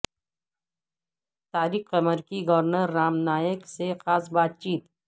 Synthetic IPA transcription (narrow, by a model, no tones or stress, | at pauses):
t̪aːɾiːkəməɾkiɡɐʋɾnəɾːaːmnaːjəksexaːsbaːt̪̚t͡ʃiːt̪